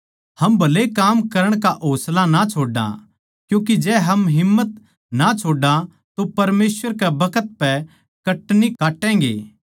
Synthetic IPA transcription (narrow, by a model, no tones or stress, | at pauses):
hɐmbʱɐlekaːmkɐɾəɽ̃kaʔoːslanat͡ʃʰoːɖã̰ | kjũːk̬id͡ʒɛːɦɐmɦɪmːət̪̚ | nat͡ʃʰoːɖã | t̪opɐɾmeːsʋəɾkɛbɐkʰət̪̚pɛ | kɐʈnikaːʈːɛ̃ːɡḛː